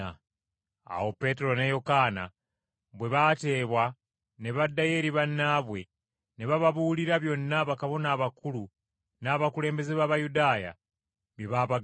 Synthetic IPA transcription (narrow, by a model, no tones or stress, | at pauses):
a | a̰ho̞pe̞ːteɾo̞nejo̞kana̰ | βwe̞βate̞ːβwa | ne̞βadːaje̞ɾiβanːaβwe̞ | neβaβaβuːliɾaβjo̞nːaβakaβo̞naːβakulu | naːβakule̞ːmbe̞zeβaβajudaːja̰ | βjeβaːβaɡ